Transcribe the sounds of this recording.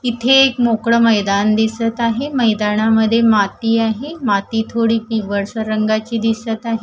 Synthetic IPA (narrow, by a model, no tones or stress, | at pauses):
it̪ʰeːkmokɽəməjd̪and̪isət̪aɦeməjd̪aɳaməd̪ʱːjemat̪iːaɦemat̪iːt̪ʰoɽiːpiʋəɾsəɾəŋɡat͡ɕiːd̪isət̪aɦe